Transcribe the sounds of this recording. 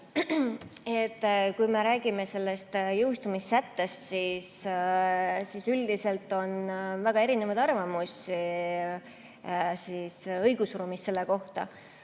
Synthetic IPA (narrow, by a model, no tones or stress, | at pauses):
et̪ːˑkujme̞ɾæːɡ̥ime̞se̞lːe̞st̪jɤwst̪umisːæt̪ːe̞st̪sis | siːsyld̪ise̞lt̪ːˑo̞nvæɡ̥ɑeɾinevɑd̪ɑrvɑmusʲi | siːsɤjɡ̥usruːmist̪se̞lːe̞ko̞ht̪ɑ̰